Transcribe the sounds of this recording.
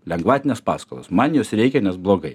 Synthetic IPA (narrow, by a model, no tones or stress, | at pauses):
lʲɛŋɡʋɑːt̪ʲɪnʲeːspɑ̰ːskolˠo̰ːsmɐnjoːsɾʲɛɪkʲɛnʲɛsblˠoːɡɐɪ